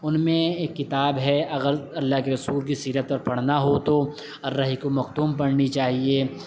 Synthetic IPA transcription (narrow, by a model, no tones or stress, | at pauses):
ʊnmẽeːkːɪt̪aːbɦɛɐɣəɾɐlːaːɦkeɾɐsuːlk̬isiːɾət̪̚pɐɾpɐɽ̤naɦot̪o | ɔːɾːɐɦikomɐq̚t̪uːmpɐɽnit͡ʃaːɦieː